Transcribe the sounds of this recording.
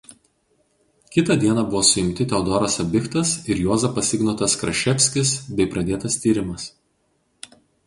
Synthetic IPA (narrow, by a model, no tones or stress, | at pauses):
kʲɪt̪ɐd̪ʲiɛnɐbʊʋoːsʊɪmʲt̪ʲɪt̪ʲɛʊd̪ɔɾɐsɐbʲɪkt̪ɐsɪɾjoːzɐpɐsʲɪɡnoːt̪ɐskɾɐʃʲɛpʲsʲkʲɪsbʲɛɪpɾɐd̪ʲeːt̪ɐst̪ʲiːɾʲɪmɐs